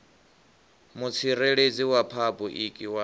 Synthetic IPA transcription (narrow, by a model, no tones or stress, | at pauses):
mut͡sʰiɾeɺed͡ziwapʰabʼuʔikʼiwa